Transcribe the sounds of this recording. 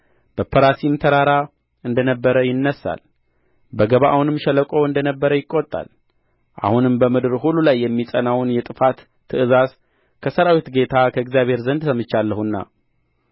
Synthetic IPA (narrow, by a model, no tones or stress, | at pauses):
b̥əpʰəɾasimt̪ʰəɾaɾa | ɨnd̪ənəbːəɾəjɪnːəsːa̰l | bəɡəβaʔahunɨmʃɛləkʼowɨnd̪ənəbːəɾəjɪkʼːot̪ʼːa̰l | ʔa̰hunɨmbəmɨd̪ɨɾɦulːulajːɛmːisʼənawnjɛt̪ʼɨfat̪ʰː | ɨʔɨzas | kʰəsəɾawit̪ɡe̞t̪ʰakʰəɨɡzjaβhe̞ɾzənd̪sʰəmɨt͡ʃːalːəhunːa̰